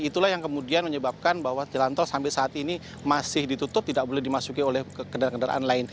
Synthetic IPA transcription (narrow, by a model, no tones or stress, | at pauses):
it̪ulahjaŋkəmudianməɲəbap̚kanbahwat̪əlant̪ɔlsampɪlsaːt̪ini | masɪhdit̪ut̪ʊp̚t̪idak̚bolɛhdimasukiolɛhkəndaɾakəndaɾa̰ʔanlaɪn